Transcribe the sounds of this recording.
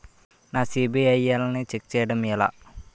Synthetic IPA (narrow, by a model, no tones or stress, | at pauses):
naːsiːbiɐjelnit͡ʃek̚t͡ʃɛjɐɽɐmila̰ː